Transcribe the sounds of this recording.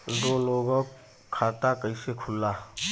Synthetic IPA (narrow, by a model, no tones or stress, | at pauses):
d̪oːloːɡõk | kʰːaːt̪akəisekʰʊlːaː